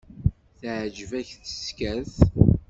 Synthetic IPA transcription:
θʕd͡ʒəvæçθə̥skæθ

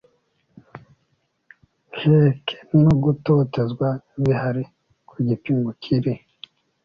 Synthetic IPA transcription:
hekʰe̥nuɡutotezɡwaβihaɾi | kʰuɟipiŋɡucʰiɾi

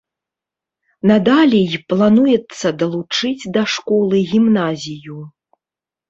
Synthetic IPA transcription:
nad̪alʲijplˠanujɛt̪sːɐd̪ɐlˠut͡ʂɨd͡zʲd̪ɐʂkɔlˠɨɣʲimnazʲiju

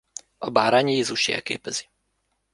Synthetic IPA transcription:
ɒbaːɾaːɲjeːzuʃjḛːkḛːpɛz̥i̥

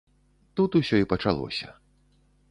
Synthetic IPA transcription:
t̪ut̪usʲɔipɐt͡ʂalˠɔ̰sʲɐ̰

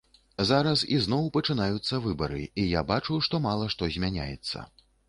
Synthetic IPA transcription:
zaɾɐsiznɔwpɐt͡ʂɨnajut̪sːɐvɨbɐɾɨijabat͡ʂuʂt̪ɔmalˠɐʂt̪ɔzʲmʲanʲa̰jɛ̰t̪sːɐ̰

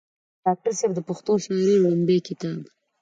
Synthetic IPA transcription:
ɖ̥ɑk̚ʈaɾseb̚d̪əpaxt̪oʃmeɾelumbekɪt̪ɑb

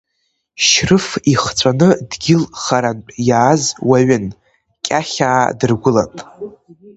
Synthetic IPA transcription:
ʃrɨfiχt͡sʷʰʼanɨdɡʲɪlχaɾanʼjaːzwaɥʏn | kʲʼaχʲaːdɨrɡʷʊla̰pʼ

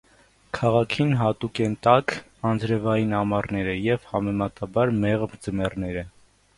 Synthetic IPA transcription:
kʰɑʁɑkʰinɦɑt̪ukɛnt̪ɑk | ɑnd͡zɾɛvɑjinɑmɑrnɛɾəjɛvhɑmɛmɑt̪ɑbɑɾmɛʁmd͡zəmɛrnɛɾə

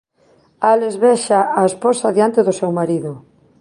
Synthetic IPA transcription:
alezβɛʃaaesposaðjant̪eðʊsewmaɾiðʊ

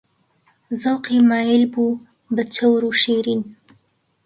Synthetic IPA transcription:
zawqimɑjɪlbu | bət͡ʃawɾuʃeɾin

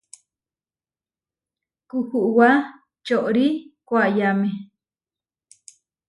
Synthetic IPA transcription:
kuhuʔwa | t͡ʃoʔɾikʷaʔjame

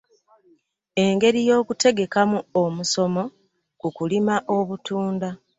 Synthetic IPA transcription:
e̞ŋɡe̞ɾijo̞ːkute̞ɡe̞kamuomuso̞mo̞ | kukulimaʔo̞βutuːnda

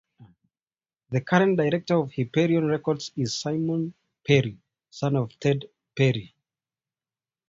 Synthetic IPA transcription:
ðɨkʰaɹə̃nd̥aɪɹɛk̚tə˞ɔv̥hipɛɹiə̃nɹɛkɔdzɪz̥saɪmɔ̃n | pʰɛɹi | sãnɔv̥tʰɛd | pɛɹi

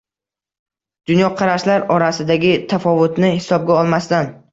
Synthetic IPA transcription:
d̪̥ʊnjɒqʰɑɾaʃlaɾɒɾasɪd̪aɡʲɪt̪ʰafɒvʊt̪nɪhɪ̥sɒb̚ɡʲaɒlˠmast̪an

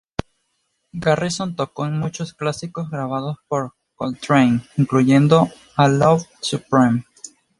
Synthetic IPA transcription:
ɡarisont̪okoenmut͡ʃo̞sklasiko̞zɣɾaβ̞að̞o̞spo̞ɾ | kolt̪ɾejniŋkluʝe̞nd̪o̞ | alovsupɾim

